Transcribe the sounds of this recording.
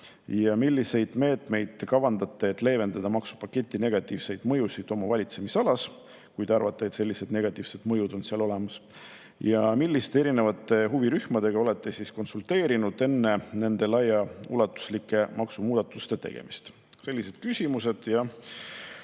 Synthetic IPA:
jɑmilʲːise̞jd̪̥me̞ːt̪ˑme̞jd̪̥kɑvɑnd̪̥ɑt̪ːˑe̞ːt̪ˑle̞ːve̞nd̪ɑd̪̥ɑmɑksu̥pɑkːe̞t̪ʲˑːine̞ɡ̥ɑt̪ːˑiːvse̞jd̪̥mɤ̞jusid̪̥o̞mɑvɑlʲit̪se̞misɑlɑs | kujd̪eɑrvɑt̪ːˑe̞et̪se̞lʲːise̞d̪̥ne̞ɡ̥ɑt̪ːˑiːv̥se̞d̪̥mɤjud̪o̞nsiɑlo̞lemɑs | jɑmilʲːist̪ee̞ɾine̞vɑt̪ːˑe̞ɦuviɾyhmɑd̪̥e̞ɡ̥ɑo̞le̞t̪ˑːe̞sisko̞nsult̪e̞ːɾinud̪̥e̞nːe̞ne̞nd̪̥e̞lɑjɑṵlɑt̪ːˑu̥slikːˑe̞mɑksumuːd̪̥ɑt̪ːˑust̪e̞t̪e̞̰ɡ̥e̞̰mist̪ | se̞lːise̞d̪̚kysʲimuse̞d̪̥jɑ

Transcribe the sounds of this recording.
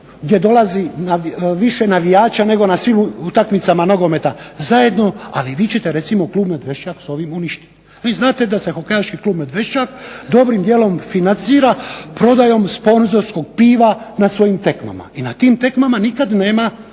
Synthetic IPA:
ɡd̪je̞d̪o̞lazinaiʋiʃe̞naʋijaːt͡ʃane̞ɡo̞nasʋimut̪akmit̪samanoɡo̞me̞t̪azaje̞d̪no̞a̰liʋiːt͡ɕe̞t̪e̞ɾe̞t̪simo̞kluːbmed̪ʋe̞ʃt͡ʃakso̞ʋimuniʃt̪i̥t̪ | iznaːt̪e̞d̪ase̞xo̞kejaʃkikluːbmed̪ʋe̞ʃt͡ʃakd̪o̞bɾimd̪je̞ːlo̞mfinant̪siːɾapɾo̞d̪ajo̞mspo̞nzo̞ɾsko̞ɡ̚piːʋanasʋo̞jimt̪e̞kma̰ma̰inat̪iːmt̪e̞kmamanikad̪ne̞ːma

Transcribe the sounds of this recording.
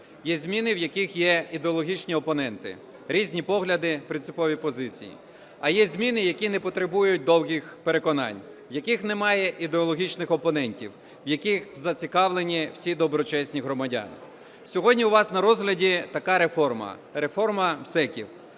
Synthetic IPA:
jɛzʲmʲinɪwjɐkixjɛid̪eɔlˠɔɦʲit͡ʃnʲiɔpɔnɛnt̪ɪ̰ | ɾʲizʲnʲipɔɦlʲɐd̪ɪpɾɪntsɪ̥pɔʋʲipɔzɪt͡sʲḭjḭ | ɐjɛzʲmʲinɪjɐkʲinɛpɔt̪ɾebujʊt̚ʲd̪ɔwɦʲixpeɾe̞kɔnɑ̰nʲ | wjɐkixnemɑjɛʔid̪eɔlˠɔɦʲit͡ʃnɪxɔpɔnɛnʲtʲḭw | wjɐkixzɐt͡sʲikɑwlˠenʲiwsʲid̪ɔbɾɔt͡ʃɛsʲnʲiɦɾɔmɐdʲɑ̰nɪ̰ | sʲɔɦɔdʲnʲiuʋɑsnɐɾɔzɦlʲɐdʲit̪ɐkɑɾefɔrmɐ̰ɾe̞fɔrmɐmsɛkʲḭw

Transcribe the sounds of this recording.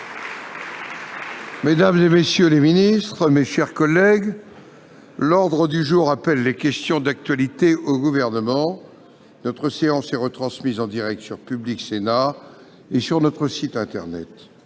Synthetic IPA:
med̪amzemesjøleminist̪χəmeʃɛʁkɔlːɛɡ | lɔʁd̪ʁəd̪yʒuʁapɛlːekʲɛst̪jɔ̃d̪ak̚t̪ɥalit̪eʔoɡuvɛʁnəmɑ̃ | nɔt̪χəseɑ̃sɛʁət̪χɑ̃smizɑ̃d̪iʁɛk̚t̪syʁpybliksena | esyʁnɔt̪χəsit̪ɛ̃t̪ɛ̰ʁnɛ̰t̪

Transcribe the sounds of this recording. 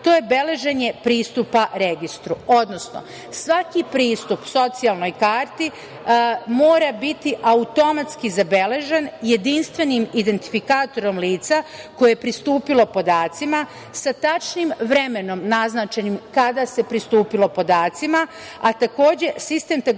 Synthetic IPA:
t̪o̞ːjebe̞le̞ʒe̞ɲe̞pɾiːst̪upaɾeɡist̪ɾuo̞d̪no̞sno̞̰ | sʋakipɾiːst̪upso̞t̪sijalˠno̞jkaːɾt̪i | mo̞ːɾabit̪iʔaut̪o̞mat̪skizabe̞le̞ʒenje̞d̪inst̪ʋe̞nimid̪e̞nt̪i̥fikaːt̪o̞ɾo̞mliːt̪sako̞jejepɾist̪uːpilo̞po̞d̪aːt̪sima | sat̪at͡ʃnimʋɾeme̞no̞mnaznat͡ʃe̞nimkad̪ase̞pɾist̪uːpilˠo̞po̞d̪aːt̪sima | at̪ako̞ːd͡ʑe̞sist̪e̞mt̪a

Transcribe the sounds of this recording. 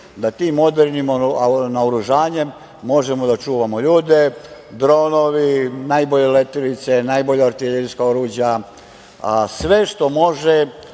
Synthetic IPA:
d̪at̪iːmːo̞d̪eɾnimonaoɾuʒaːɲe̞mː | o̞ʒemod̪at͡ʃuːʋamo̞ʎuːd̪e̞d̪ɾo̞ːno̞ʋinaːjboʎelet̪ilit̪se̞naːjbo̞ʎaaɾt̪ileɾiskaoɾuːd͡ʑja | sʋeʃt̪o̞mo̞ʒe

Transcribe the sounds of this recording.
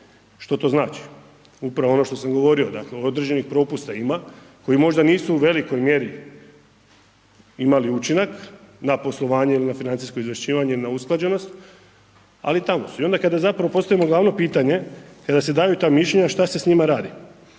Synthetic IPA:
ʃt̪o̞t̪o̞ːznaːt͡ʃi̥ | upɾaʋoo̞no̞ʃt̪o̞samɡo̞ʋo̞ɾio̞d̪a̰kleod̪ɾe̞d͡ʑe̞nixpɾo̞pust̪aima | ko̞jimo̞ʒd̪aniːsuuʋe̞liko̞jmje̞ɾi | imaliut͡ʃinaknapo̞slˠo̞ʋaːɲe̞ilinafinant̪isko̞izʋeʃt͡ɕiːʋaɲe̞ilinausklˠad͡ʑe̞no̞st̪ | a̰lit̪amo̞suio̞nd̪akad̪azapɾaʋo̞po̞st̪aʋimo̞ɡlˠaʋno̞piːt̪aɲe̞kad̪ase̞d̪aːjut̪aːmiʃʎʲe̞ɲaʃt̪asesɲimaɾaːd̪i

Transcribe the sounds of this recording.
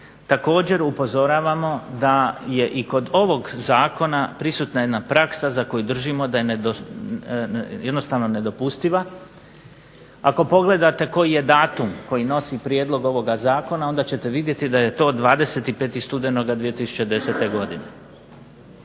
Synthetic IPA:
t̪ako̞ːd͡ʑe̞ɾupo̞zo̞ɾaːʋamo̞d̪aje̞ʔiko̞d̪o̞ʋo̞ɡzaːko̞napɾisut̪naje̞d̪napɾaksazako̞jud̪r̩ʒimo̞d̪aje̞neo | je̞d̪no̞st̪aʋno̞ne̞d̪o̞pust̪iʋa | ako̞po̞ɡle̞d̪at̪e̞ko̞jije̞d̪aːt̪umko̞jino̞sipɾjeːd̪lˠo̞ɡo̞ʋo̞ɡazaːko̞nao̞nd̪at͡ɕe̞t̪e̞ʋid̪je̞t̪id̪ajet̪o̞ːd̪ʋaːd̪e̞se̞t̪ipe̞ːt̪ist̪ud̪eno̞ɡad̪ʋijet̪isu̥t͡ɕed̪e̞se̞t̪e̞ɡo̞d̪ine

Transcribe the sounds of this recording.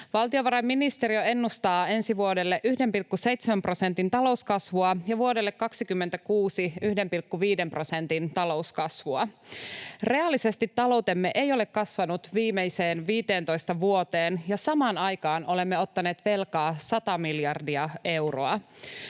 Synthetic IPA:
ʋɑlt̪io̞ʋɑɾɑjmːinist̪eɾioe̞nːust̪ɑːe̞nsiʋuodelːeʔyhde̞mpilkːuse̞jt̪semæmpro̞se̞nt̪int̪ɑlo̞uskɑsʋuɑjɑʋuodelːekkɑksikymːent̪ækuːsiyhde̞mpilkːuʋiːde̞mpro̞sent̪int̪ɑlo̞uskɑsʋuɑ | re̞ɑlːise̞st̪it̪ːɑlo̞wt̪e̞mːeʔejo̞lekkɑsʋɑnut̪ʋiːmejse̞ːnʋiːt̪e̞ːnt̪o̞jst̪ɑʋuot̪e̞ːnjɑsɑmɑːnɑjkɑːno̞le̞mːeo̞t̪ːɑne̞ːt̪ʋe̞lkɑːsɑt̪ɑmiljɑrdiɑe̞wro̰ɑ

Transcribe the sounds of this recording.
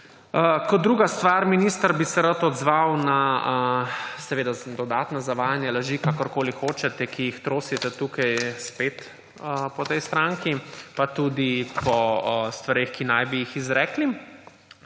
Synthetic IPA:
kɔd̪̚d̪ːɾuːɡast̪ʋaɾminiːst̪aɾbisɛɾat̪ɔd̪zʋawna | sɛʋeːd̪ad̪ɔd̪aːt̪nɔzaʋaːjanjalaʒikakɔɾkoːlixoːt͡ʃɛt̪ɛkʰijixt̪ɾoːsit̪ɛt̪uːkajspet̪ | pɔt̪ɛjst̪ɾaŋkipat̪uːd̪ipɔst̪ʋaɾeːxkinajbijixizɾɛːkli

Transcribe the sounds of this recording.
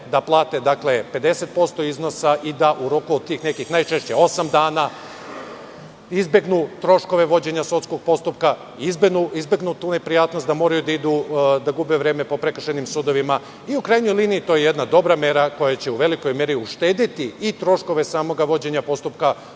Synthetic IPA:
d̪aplˠaːt̪e̞d̪akle̞pe̞d̪e̞se̞t̪̚po̞st̪o̞izno̞saʔid̪aʔuɾo̞kuod̪̚t̪iːxne̞kixnajt͡ʃe̞ʃt͡ɕe̞o̞samd̪aːna | izbe̞ɡnut̪ɾo̞ʃko̞ʋe̞ʋo̞d͡ʑe̞ɲasut̪sko̞ɡ̚po̞st̪upka | izbenuizbe̞ɡnut̪uːne̞pɾijaːt̪nost̪d̪amo̞ːɾajud̪aid̪ud̪aɡubeʋɾe̞ːme̞po̞pɾe̞kr̩ʃenimsud̪o̞ʋima | iukɾajɲo̞jliːniit̪ojejed̪nad̪o̞bɾame̞ɾako̞jat͡ɕe̞uʋe̞liko̞jmje̞ɾiuʃt̪e̞ːd̪it̪iit̪ɾo̞ʃko̞ʋe̞saːmo̞ɡaʋo̞d͡ʑe̞ɲapo̞st̪upka

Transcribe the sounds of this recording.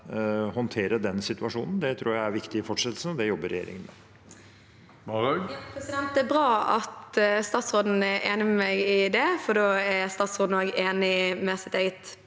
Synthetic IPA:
hɔnt̪ʰeːɾəd̪ɛnsɪt̪ʉɑʂṵːnn̩d̪ɛt̪ʰɾuːɾjæɪæɾʋɪkt̪ɪfɔʈʂɛt̪l̩sn̩ɔd̪ɛjɔbːəɾɛ̰jḛːɾɪ̰ŋənmɛ̰ | pʰɾɛsɪd̪ɛnt̪̚d̪æːbɾɑːɑt̪st̪ɑːt̪sʁoːd̪n̩æʔeːnɪmɛmɛɡɪd̪ɛfɔɖoːææst̪ɑːt̪sʁoːd̪noːɡeːnɪmɛsɪt̪eːɡət̪

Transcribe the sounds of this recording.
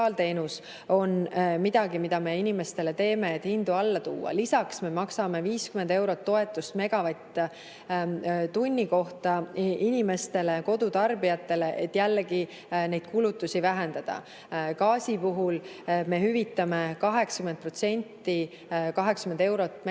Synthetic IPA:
ɑːlt̪e̞ːnus | o̞nmid̪̥ɑɡimid̪̥ɑme̞inʲime̞st̪e̞le̞t̪e̞ːme̞ːt̪ːˑhind̪̥uɑlːɑt̪ṵːɑ̰lisɑksme̞mɑksɑme̞viːskymend̪e̞wɾo̞t̪ːo̞e̞t̪ːˑust̪me̞ɡ̥ɑvɑjt̪ː | t̪unʲːiko̞ht̪ɑinʲime̞st̪e̞le̞ko̞d̪ut̪ɑrbiɑt̪ːe̞le̞ʔet̪ːˑjælːeɡi | ne̞jd̪̥̚kulut̪ːˑusivæɦe̞nd̪ɑd̪̥ɑ̰ | kɑːsipuɦulme̞hyvit̪ːˑɑme̞kɑɦe̞ksɑ̥kymend̪̚pro̞t̪se̞nʲt̪ːi | kɑɦe̞ksɑkymend̪e̞wɾo̞t̪ːˑm

